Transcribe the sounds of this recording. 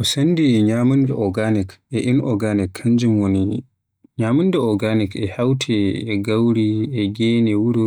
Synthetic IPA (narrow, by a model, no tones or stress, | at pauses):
ʔɔsandiɲaːmundɛʔɔɡanikɛʔinʔɔɡanikʰːaɲd͡ʒimwoni | ɲaːmundɛɔɡanikɛhawtʰɛɛɡawɾiɛɡɛːnɛwuɾu